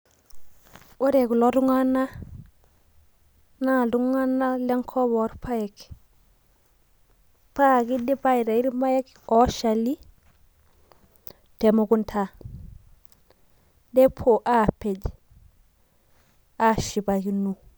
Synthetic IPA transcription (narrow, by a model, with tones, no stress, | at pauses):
o˦ɾe˨ɡu˨lo˦ɾu˦ŋa˦na˦ | na˦˨du˦ŋa˦na˦le˦ŋkʰo˦bɔ˨˦ɾpʰa˦je˨k | pa˦ɡi˦di˦ba˦i˨ɾa˨i˦ɾma˦je˦k | o˦ʃa˨li˦ | te˨mu˨ɡu˦ntʰa˨ | de˦pʰo˨ʔa˦pe˨d͡ʒ | a˦ʃi˨ba˨ki˨nu˨